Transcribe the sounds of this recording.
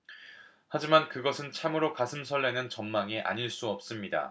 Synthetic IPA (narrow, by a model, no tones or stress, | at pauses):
had͡ʑimankɯɡʌsʰɯnt͡ɕʰamɯɾokasʰɯmsʰʌɭːe̞nɯnt͡ɕʌnmaŋiʔa̰ɲiɭs͈uʌp̚s͈ɯmɲida̰